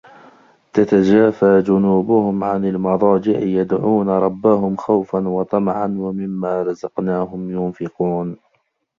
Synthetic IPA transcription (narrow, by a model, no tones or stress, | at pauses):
t̪at̪ad͡ʒaːfaːd͡ʒʊnuːbʊhʊmʕanalmɑðˤɑːd͡ʒɪʕjad̪ʕuːnaɾˤɑbːaɦʊmxawfanwɑt̪ˤɑmʕanwamɪmːaːɾˤɑzɑqnaːɦʊmjʊnfɪquːn